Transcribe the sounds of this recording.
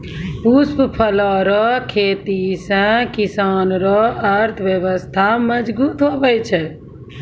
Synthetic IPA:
pusppʰəlɔɾɔkʰeːt̪isə̃kisaːnɾɔəɾt̪ʰʋjəʋəst̪ʰaməd͡ʒbuːt̪ɦobɛt͡ʃʰɛ

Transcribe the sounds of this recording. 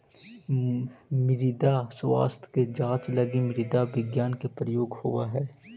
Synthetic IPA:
mɪɾid̪aswa̰ːst̪ʰked͡ʒãːt͡ʃlɐɡimɪɾid̪aʋɪɡjaːnkepɾəjoːɡhoːaɦɛː

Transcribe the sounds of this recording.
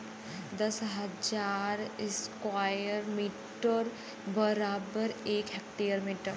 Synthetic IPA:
d̪ɐsɦɐd͡ʒaːɾɪskwaːjəɾmiːʈəɾ | bəɾaːbəɾeːkɦek̚ʈijəɾmiːʈəɾ

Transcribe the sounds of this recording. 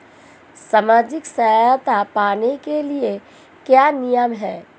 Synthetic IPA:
saːmaːd͡ʒɪksɐɦajt̪apaːnekelie | kjaːnɪjəmɦɛː

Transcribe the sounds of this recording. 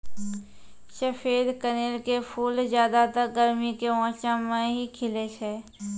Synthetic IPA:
ʃəfʰeːd̪kɐneːlkepʰuːlzjaːd̪at̪əɾɡəɾmikeʋɔ̃ːt͡ʃãmẽɦikʰɪlesɛː

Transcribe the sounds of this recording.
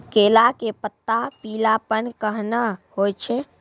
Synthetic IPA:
kelakepət̪ːapilapənkəɦnahojt͡ʃʰɛ

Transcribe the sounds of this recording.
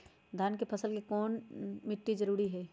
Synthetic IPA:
d̪ʱaːnkepʰɐsəlkikɔːnmɪʈːizɐɾuːɾiɦɛː

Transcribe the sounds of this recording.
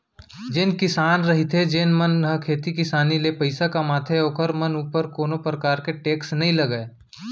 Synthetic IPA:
d͡ʒeːnkɪsaːnɾɐɦit̪ʰed͡ʒeːnmɐnɦəkʰeːt̪ikɪsaːnilepɐɪsakamaːt̪ʰeoːkəɾmɐnuːpəɾkoːnopɾɐkaːɾkeʈeːksnɐɦĩlɐɡəeː

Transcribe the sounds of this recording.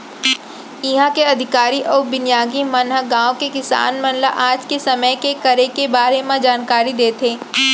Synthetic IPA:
ɪɦãkeɐd̪ʱɪkaːɾiʔɔːɾbɪnjaːɡimɐnɦəɡãːõkekɪsa̰ːnmɐ̃nla̰ʔaːd͡ʒkesɐməjkekɐɾekebaːɾemãd͡ʒaːnkaːɾid̪eːt̪ʰeː

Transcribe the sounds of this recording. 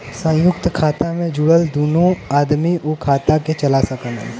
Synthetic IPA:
sə̃jʊk̚t̪kʰaːt̪amẽd͡ʒuːɽəld̪uːnõaːd̪miʔukʰaːt̪aket͡ʃɐlasɐkənɛ̰

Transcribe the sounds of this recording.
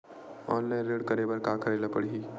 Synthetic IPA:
ɔnlajnɾeɽkəɾebəɾkakəɾajlapəɽ̤iɦi

